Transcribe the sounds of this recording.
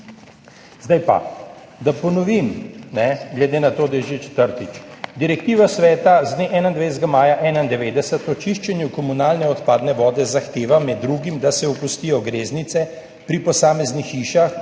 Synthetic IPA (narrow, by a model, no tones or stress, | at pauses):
zd̪ajpa̰ | d̪apɔnɔʋimnɛɡlɛd̪eːnat̪oːd̪ajɛʒet͡ʃɛ̥t̪əɾt̪it͡ʃd̪iɾɛk̚t̪iːʋasʋɛːt̪azd̪neʔɛːnand̪ʋejzɡamaːjaʔɛːnaind̪ɛʋeːd̪ɛsət̪pɔt͡ʃiʃt͡ʃɛnjukɔmunaːlnɛɔt̪paːd̪nɛʋɔːd̪ɛzaxt̪eːʋamɛd̪ːɾuɡimd̪asɛupust̪iːjɔɡɾeːznit̪sɛ | pɾipɔsaːmɛznixiːʃax